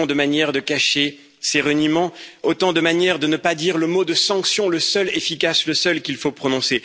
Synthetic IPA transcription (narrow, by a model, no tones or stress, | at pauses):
d̪əmanjɛʁd̪əkaʃe | seʁənimɑ̃ot̪ɑ̃d̪əmanjɛʁd̪ənəpad̪iʁləmod̪əsɑ̃ksjɔ̃ləsœlefikasləsœlkʲilfopχɔnɔ̃se